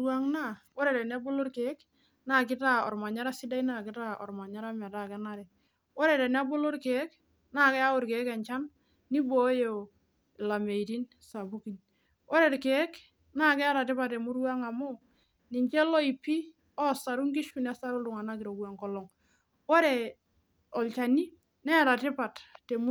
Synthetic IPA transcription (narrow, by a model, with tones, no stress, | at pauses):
u˦a˦ŋna˦˨wɔ˦ɾe˨ɾɛ˨n˦a˦bo˦lo˦ɾke˦k | na˦k̬ɪ˦ta˦ɔ̰˨ɾma˨ɲa˦ɾa˦si˦da˦i˦na˦˨kɪ˦ta˦ɔ̰˨ɾma˨ɲa˦ɾa˦ma˨ta˨kɛ˦na˦ɾɛ˨ | wɔ˦ɾe˨ɾɛ˨n˦a˦bo˦lo˦ɾke˨˦k | naː˦˨kɛ˦a˦ʊ˦ɾke˨˦kɛ˨ɲt͡ʃa˦nː | i˦bo˦jo˨ | la˨me˨i˨ti˦n | sa˨bu˦ki˨n | ɔ˦ɾe˨ɾke˨˦k | na˦˨kɛ˦a˦ɾa˨tɪ˦pa˨tːe˨mu˦ɾwa˦ŋa˨mo˦ | ni˨ɲt͡ʃɛ˦lɔ˦i˨pi˦ | ɔ˦sa˨ɾu˦ŋɡi˦ʃku˦na˦sa˦ɾu˦lʊ˨ŋa˨na˦ki˨ɾo˨ku˨a˨ŋkɔ˦lɔ˨ŋ | wɔ˦ɾe˨ | ɔ˨lt͡ʃa˨ni˦ | nɛ˦˨ɾa˨tɪ˦pa˨tte˨mu˦